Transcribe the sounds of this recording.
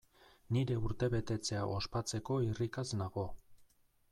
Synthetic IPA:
niɾe̞uɾt̪e̞βe̞t̪e̞t͡se̞aʔo̞spat͡se̞ko̞irikaznaɣo̞

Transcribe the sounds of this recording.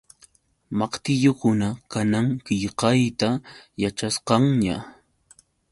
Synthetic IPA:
mɑqt̪ɪʎokʊnakanaŋkɪʎqɑjt̪ajat͡ʃasqɑŋɲa̰

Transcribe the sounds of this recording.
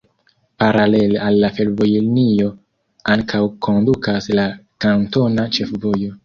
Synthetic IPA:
paɾale̞lealːafe̞lvo̞jilnijo̞ | aŋkʰawkʰo̞ndukaslakanto̞nat͡ʃe̞fvo̞jo̞

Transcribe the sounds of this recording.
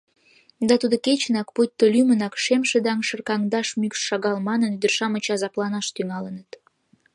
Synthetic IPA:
d̪ɑt̪ud̪oket͡ɕənɑkput̚ʲt̪ːolymənɑkʃemʃed̪ɑŋʃərkɑŋd̪ɑʃmykʃːɑɣɑlmɑnənyd̪ərʃɑmə̆t͡ɕɑzɑplɑnɑʃt̪yŋɑlənət̪

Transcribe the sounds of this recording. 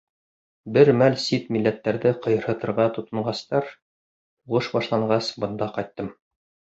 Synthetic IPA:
bɘɾmælsit̪milːæt̪ːæɾðɘqɤ̆jɤ̆ɾhɤ̆t̪ɤ̆ɾʁɑt̪ŏt̪ɤ̆ɴʁɑst̪ɑɾ | uʁɤʃbɑʃlˠɑɴɢɑsbɤ̆nd̪ɑqɑjt̪ːɤm

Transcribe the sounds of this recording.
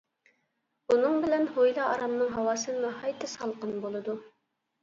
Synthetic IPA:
unɨŋbɪlɛnɦojlˠɑɑɾɑmnɨŋɦɑwɑːsɨmuhɑjt̪ʰɨsɑlˠqənbolˠɨd̪u

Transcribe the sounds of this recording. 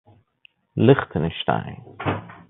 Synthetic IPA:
lɪχtʰənəʃta̰ɪ

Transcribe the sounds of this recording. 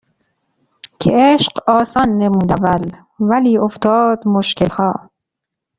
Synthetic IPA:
cʰeeʃqɒːsɒːnːemuːd̪ævæl | væliːoft̪ʰɒːd̪moʃkelhɒː

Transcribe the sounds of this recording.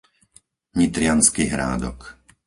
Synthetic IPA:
ɲit̪ɾɪanskiɦɾa̰ːd̪ɔ̰k

